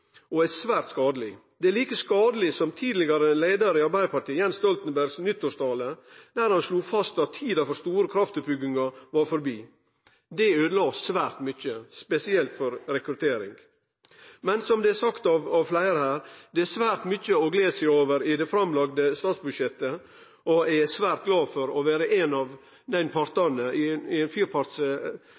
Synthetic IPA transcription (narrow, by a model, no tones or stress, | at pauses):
ɔæsʋæːɾt̪skɑːd̪əlɪ̰d̪ɛæliːkəskɑːd̪əlɪsɔmt̪ʰiːd̪lɪɡɑɾəleɪd̪ɑɾɪɑɾbæɪd̪əpɑʈiːjɛnst̪ɔlt̪n̩bæɾɡsnʏt̪ːɔʂt̪ʰɑːləd̪̥æːɾhɑnsluːfɑst̪ɑt̪ʰiːd̪ɑfɔɾst̪uːɾəkʰɾɑft̪əbʏɡɪŋɑʋɑɾfɔɾbiː | d̪ɛøːd̪əlɑːsʋæːɾt̪mʏçəspɛsɪɛlt̪fɔɾɾɛkɾʉt̪ʰeːɾɪ̰ŋɡ | mɛnsɔmd̪ɛɛsɑkt̪ɑʋɑʋflæɪɾəhæːɾd̪ɛsʋæːɾt̪mʏçəɔɡleːsæɪoːʋəɾɪd̪ɛfɾɑmlɑɡ̚d̪əst̪ɑːt̪sbʉd̪ʃjɛt̪ːə | ɔæsʋæːɾt̪̚ɡlɑːfɔɾɔʋæːɾəʔɛnɑʋ | d̪æɪnpʰɑɾt̪ɑnəɪɪɛnfyːɾpʰɑɾt̪s